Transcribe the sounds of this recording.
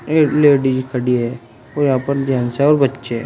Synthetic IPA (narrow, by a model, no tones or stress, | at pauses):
eleːɖid͡ʒikʰəɽiɦɛ | ojɐɦãːpɐɾd̪ʱjaːnseɔːɾbɐtːʃeɦɛ̰ː